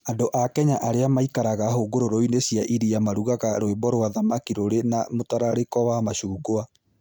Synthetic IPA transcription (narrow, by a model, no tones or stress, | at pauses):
adoʔakɛɲaʔaɾeamaikaɾaɣaɦoɡoɾoɾoinesjaʔiɾiamaɾuɣaɣaɾoebɔɾwaðamakiɾoɾenamotaɾaɾekɔwamaɕuːɡoa